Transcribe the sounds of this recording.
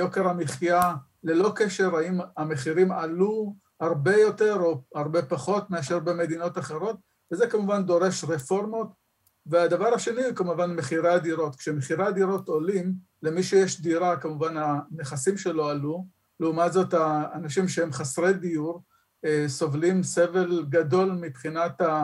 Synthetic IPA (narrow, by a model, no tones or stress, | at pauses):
joke̞ʁamiχja | le̞lo̞ke̞ʃe̞ʁaimameχiʁimalu | haʁbe̞jo̞te̞ʁo̞haʁbe̞paχo̞t̪meaʃe̞ʁbeme̞d̪ino̞taχe̞ʁo̞t̪ | vezekamuvand̪o̞ʁe̞ʃʁefo̞ʁmo̞t | vead̪avaʁaʃe̞nikamuvanmeχiʁad̪iʁo̞t̪kʃemeχiʁad̪iɾo̞t̪olim | le̞miʃujeʃdiʁakamuvananeχasimʃe̞lo̞alu | leumatzo̞taːnaʃimʃehemχasʁed̪ijuʁ | eso̞vlimseve̞lɡado̞lmipχinat̪a